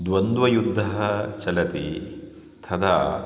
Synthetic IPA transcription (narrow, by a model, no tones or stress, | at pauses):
d̪ʋɐnd̪ʋɐjud̪ʱːɐɦɐt͡ʃɐlɐt̪i | t̪ʰɐd̪ʰa